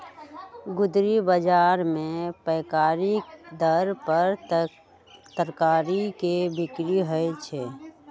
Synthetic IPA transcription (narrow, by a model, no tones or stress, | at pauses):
ɡʊd̪ɾibəd͡ʒaːɾmẽpəɪkaːɾikd̪əɾpəɾ | t̪əɾkaːɾikebɪkɾiɦəjt͡ʃʰɛː